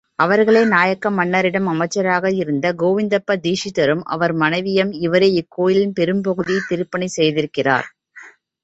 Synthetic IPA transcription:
ɐʋɐɾɣɐɭeːnaːjɐkːɐmɐɳːɐɾɪɽɐmɐmɐt͡ʃːɐɾaːɣɐɪɾɯnd̪ɐɡoːʋɪnd̪ɐpːɐd̪iːʂɪt̪ːɐɾɯmʔɐ̰ʋɐɾmɐnɐɪʋɪjɐmɪʋɐɾeɪkːoːjɪlɪnpɛɾɯmpɐɣɯðit̪ɪɾɯpːɐɳisɛjðɪɾɯkːɪra̰ːɾ

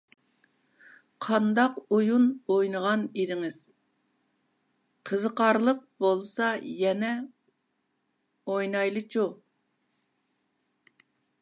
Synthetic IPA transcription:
qʰɑnd̪ɑqujunojnəʁɑnid̪ɪŋɪz̥ | qʰəzəqɑɾlˠəq̚bolˠsɑjɛnɛ | ojnɑjlˠɨt͡ʃʰu

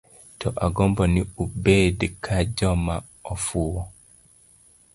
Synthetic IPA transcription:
tʰɔʔaɡɔmbɔniubedikʰad͡ʒɔma | ɔfuwɔ

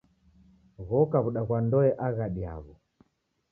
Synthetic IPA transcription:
ɣɔkaβuɗaɣwandɔɛʔaɣaɗia̰βɔ

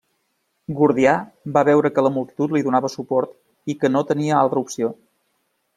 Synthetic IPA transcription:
ɡuɾðiabaβɛwɾəkələmulˠt̪i̥t̪ut̪liðunaβəsupɔɾt̪ | ikənot̪əniəalˠt̪ɾəupsio

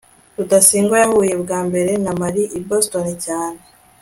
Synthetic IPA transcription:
ɾudasiːŋɡojahuːje̞bɡaːmbe̞ɾe̞namaɾiʔibostoɾecaːne̞

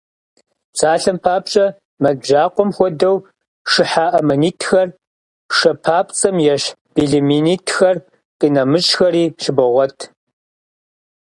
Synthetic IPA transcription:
sʰʼaːɬɐmpʰaːp̚t͡ʃʼɐ | mɐʒaːqʷɔmxʷɔdɐw | ʂɨħaːʔɐmɐniːtʰxɐr | ʂɐpʰaːpʰt͡sʼɐmjɛʃb̥iɮiminiːtʰxɐr | qʼinɐmɨɕʼxɐɾiːʃɪbɐʁʷɔtʰ

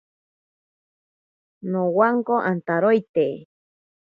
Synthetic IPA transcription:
nowaŋkoʔant̪aɾojt̪e

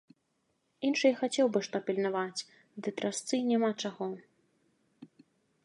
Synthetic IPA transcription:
inʂɨjxat͡sʲɛwbɨʂt̪ɔpʲilʲnavat͡sʲ | d̪ɨt̪ɾast̪sɨnʲamat͡ʂaɣɔ

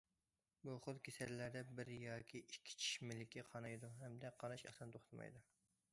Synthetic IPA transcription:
buχʊt̪kʲʰesɛɾlæɾd̪ɛbɪɾjɑːkʲʰiikʲʰːi̥t͡ʃʰi̥ʃmɪlɪkʲɛqʰɑnɑjd̪uɦɛmd̪ɛqʰɑnɑʃɑ̰sɑnt̪ʰoχt̪ʰɨmɑ̰jd̪u

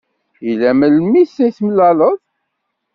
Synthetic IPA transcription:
ilæməlmisːæθməlːæləðˤ

